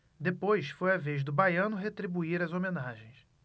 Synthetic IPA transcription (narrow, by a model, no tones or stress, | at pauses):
d̪epojsfojɐveʒd̪ʊbajɐ̃nʊɦet̪ɾibuiɾɐzomenaʒẽj̃s